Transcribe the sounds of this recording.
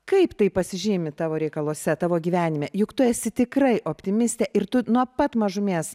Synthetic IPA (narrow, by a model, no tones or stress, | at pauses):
kɐɪpt̪ɐɪpɐsʲɪʒʲiːmʲɪt̪ɑːʋoːɾʲɛɪkɐlˠuɔsʲɛt̪ɑːʋoːɡʲiːʋʲæːnʲɪmʲɛjʊkt̪ʊɛsʲɪt̪ʲɪkɾɐɪʔoːpʲt̪ʲɪmʲɪsʲt̪ʲeːʔɪrt̪ʊnuɔpɐt̪mɐʒʊmʲeːs